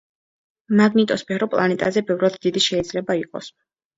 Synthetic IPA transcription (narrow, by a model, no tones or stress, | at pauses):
maɡnit̪ʼɔspʰɛɾɔpʼlˠanɛt̪ʼazɛbɛvɾad̪ːid̪iʃɛid̪zlɛbaiqʼɔ̰s